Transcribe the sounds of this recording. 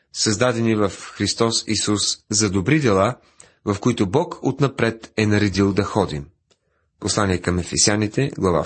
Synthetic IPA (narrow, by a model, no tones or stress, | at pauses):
sɐzd̪ad̪ɛnivɐfxɾist̪ɔsisuszɐd̪obɾid̪ɛlˠa | vɐfkoit̪ʊbɔkʰot̪nɐpɾɛt̪ɛnɐɾɛd̪ilˠd̪ɐxɔd̪im | poslˠaniɛkɐmɛfɛsjanit̪ɛɡlˠɐva̰